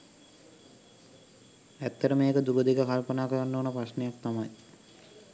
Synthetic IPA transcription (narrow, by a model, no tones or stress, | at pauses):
æt̪ːəɾəmeːkəd̪uɾod̪ikakalpənaːkəɾanːoːnəpɾasnejak̚t̪amaj